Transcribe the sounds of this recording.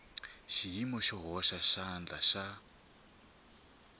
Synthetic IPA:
ʃiɦimɔʃɔɦɔʃaʃand͡ɮa̰ʃa

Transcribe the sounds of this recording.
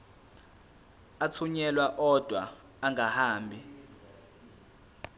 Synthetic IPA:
at͡sʰuɲɛlwaʔɔd̥ʱwaː | ŋahaːmbʱi

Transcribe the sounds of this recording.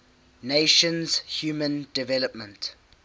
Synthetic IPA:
neʃə̃nz̥hjuːmə̃ndɪvɛləpmə̃nt

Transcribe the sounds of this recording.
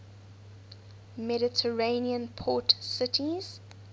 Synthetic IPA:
mɛɾɪtʰəɹẽniə̃npʰɔˑtsɪtʰiz̥

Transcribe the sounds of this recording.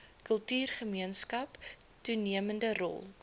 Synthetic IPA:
kəlˠtyːrχəmiənskɐptuniəməndərɔ̰lˠ

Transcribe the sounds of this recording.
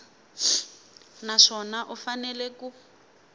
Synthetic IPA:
naʂɔnaʔufanɛlɛku

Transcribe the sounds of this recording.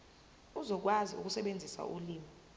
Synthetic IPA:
uzɔk̬waziṵk̬ʼusɛɓend͡zʱisa̰ʔuliːmi

